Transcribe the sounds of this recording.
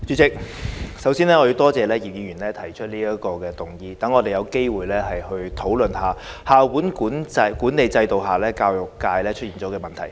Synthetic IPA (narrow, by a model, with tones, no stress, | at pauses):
t͡ʃyː˨˧˥t͡sɪ˨k̚sɐ˨˥wsiː˥nlɛː˥ŋɔ˨˧ji˨˧t̪ɔː˥t͡sɛː˨lɛː˥jiː˨p̚jiː˨˧˩ɥyː˨˩nlɛː˦˥t̪ʰɐ˨˩jt͡ʃʰɵ˥t̚liː˥ɐ˥kɔː˧kɛː˧t̪ʊ˨˩ŋjiː˧t̪ɐ˨˥ŋːɔː˨˧t̪e˨jɐ˨˧wke˥jwuː˨jlɛː˥hɐ˨jhɵ˧ɥt̪ʰo˨˥wlɵ˨nhaː˨˧haː˨˩wuː˨˥nkuː˨˥nt͡sɐ˧kuː˨˥nːe˨jt͡sɐ˧jt̪o˨wɦaː˨˩lɛː˥kaː˧wjʊ˨˩kːaː˧jlɛː˥t͡ʃʰɵ˥t̚iː˨nɔː˨˥kɛː˧mɐ˨nt̪ʰɐ˨˩j